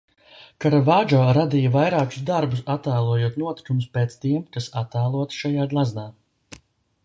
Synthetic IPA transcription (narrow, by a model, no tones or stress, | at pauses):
kaɾavaːd͡ʒoːɾad̪iːjavajɾaːku̥sd̪aɾbusat̪aːlˠuɔjuɔt̪nuɔt̪i̥kumuspeːt̪st̪iɛmkasat̪aːlˠuɔt̪ʃajaːɡlˠazd̪aː